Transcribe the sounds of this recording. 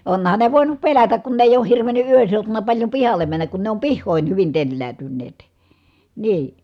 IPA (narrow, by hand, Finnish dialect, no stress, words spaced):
onhɑn ne ʋoˑinup pelætæk kun ne eˑij oːh hirʋeny ʔyøn seutunɑ pɑlʲjo pihɑlːe mænːæk kun ne om pihːoˑin hyʋin telːæːtynːeːt niː